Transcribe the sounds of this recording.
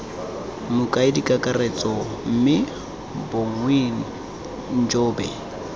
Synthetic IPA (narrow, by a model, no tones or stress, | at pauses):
mʊkʼaɪdikʼakʼarɛt͡sʼɔm̩mɪ | boŋweːn̩ | n̩d͡ʒoːbɛ